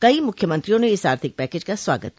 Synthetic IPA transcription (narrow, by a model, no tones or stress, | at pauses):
kɐimʊkʰjəmɐ̃nt̪ɾijõneɪsaːɾt̪ʰɪk̚pɛːkeːd͡ʒkasʋa̰ːɡə̰t̪̚